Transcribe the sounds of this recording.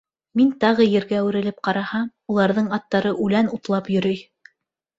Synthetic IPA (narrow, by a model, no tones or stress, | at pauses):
mint̪ɑʁɤjɘ̆ɾɡæʉɾɘ̆lɘp̚qɑɾɑhɑm | ulˠɑɾðɤɴɑt̪ːɑɾɤʔʉlænut̪lˠɑpjɵ̆ɾɵj